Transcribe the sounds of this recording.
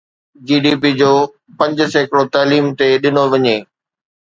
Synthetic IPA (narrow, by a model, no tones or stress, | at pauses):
d͡ʑiːɖiːpid͡ʑoː | pɐ̃ɲd͡ʑsekɪɽot̪aːliːmt̪eɗɪnoʋɐɲeː